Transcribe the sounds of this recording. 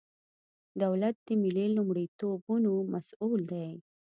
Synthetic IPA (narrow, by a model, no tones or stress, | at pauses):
d̪awlat̪̚d̪̥əmɪlelumɽit̪obunomasuld̪aj